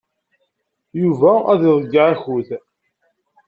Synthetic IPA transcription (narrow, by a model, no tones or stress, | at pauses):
juvææðiðˤəɡːaʕæçuθ